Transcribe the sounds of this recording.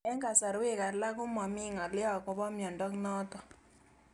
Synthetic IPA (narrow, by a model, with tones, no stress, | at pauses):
ɛ˦ŋɡa˨sa˨ɾwe˦˨ka˨ɾla˦kʊ˦mɔ˨mɪ˦ŋɔ˨lɪ˦ɔ˨kɔ˨βɔ˦mjɔ˨ndɔ˦knɔ˦tɔ˨